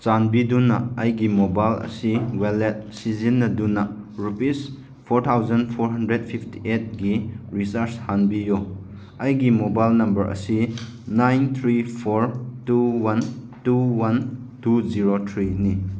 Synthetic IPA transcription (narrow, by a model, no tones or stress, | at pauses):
t͡ʃanbidunːɐ̰ɐjɡimobajlɐ̰siwelet̚sizinːɐdunːɐɾupis | pʰoɾtʰawzɐnpʰoɾɦɐndɾedpʰipʰti̥ʔet̚ɡiɾisaɾshanbijo | ɐjɡimobajlnɐmbɐɾʔɐ̰si | najnt̪ʰɾipʰoɾtuwan | tuwan | tuziɾot̪ʰɾini